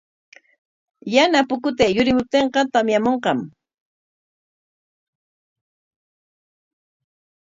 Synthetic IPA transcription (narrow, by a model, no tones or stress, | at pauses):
janapʊkʊt̪ejʊɾɪmʊp̚t̪eɴqɑt̪amjamoɴqɑm